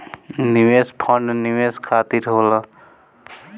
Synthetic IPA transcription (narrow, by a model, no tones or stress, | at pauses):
niʋespʰəɳɖniʋeːskʰaːt̪iɾɦoːlə